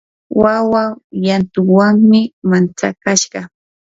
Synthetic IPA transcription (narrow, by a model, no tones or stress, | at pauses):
wawajant̪ʊwaŋmɪmant͡sa̰kaʃɢɑ